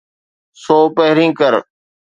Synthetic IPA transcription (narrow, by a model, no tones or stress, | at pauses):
soːpəɦɾĩːkəɾ